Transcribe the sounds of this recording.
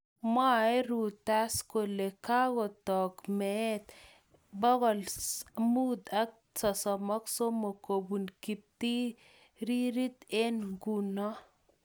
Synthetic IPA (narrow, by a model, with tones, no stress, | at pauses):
mwa˦e˦ɾu˨ta˦sko˨le˨ka˦kɔ˨tɔ˨kmɛ˨˦t̪ | bɔ˦ɣɔ˨lmu˦t̪a˦k̚sɔ˨sɔ˨mɔ˦kso˦mo˨ko˨bu˨nki˨p̚t̪i˦ | ɾi˦ɾi˦t̪e˦nɡu˨nɔ˦